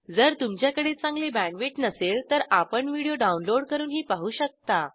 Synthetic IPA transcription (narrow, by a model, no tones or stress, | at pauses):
d͡zəɾt̪umt͡ɕjakəɽet͡sãŋɡlebæ̃ɳʋeʈnəselt̪əɾapəɳʋiɽijoɖaunloɽkəɾuːnɦiːpaɦuːɕək̚t̪a